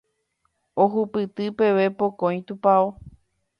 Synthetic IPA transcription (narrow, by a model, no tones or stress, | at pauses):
oɦupɨt̪ɨpe̞ʋe̞po̞kõj̃t̪upao